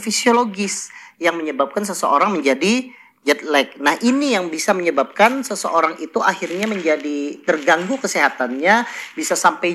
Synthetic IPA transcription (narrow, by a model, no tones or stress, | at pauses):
fisioloɡɪsjaŋməɲəbap̚kans̬əsə̰oɾaŋməɲd͡ʒadi | d͡ʒɛt̪̚lɛk̚nahʔinijaŋbisaməɲəbap̚kansəsəʔoɾaŋit̪uʔahirɲaməɲd͡ʒadit̪ərɡaŋɡukəsiɦat̪anɲabisasampaj